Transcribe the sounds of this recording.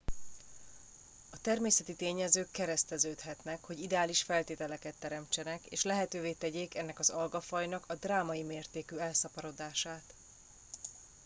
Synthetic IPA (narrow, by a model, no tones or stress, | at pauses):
ɒt̪ɛrmeːsɛt̪it̪eːɲɛzøːkːɛɾɛst̪ɛzøːt̪hɛt̪nɛkho̞ɟid̪ɛaːliʃfɛlt̪eːt̪ɛlɛkɛt̪ːɛɾɛmt͡ʃɛnɛkḛːʃlɛɦɛt̪øːveːt̪ɛɟeːkɛnːɛkɒzɒlɡɒfɒjnɒkɒd̪raːmɒjimeːrt̪eːkyɛlsɒpɒɾo̞d̪aːʃaːt̪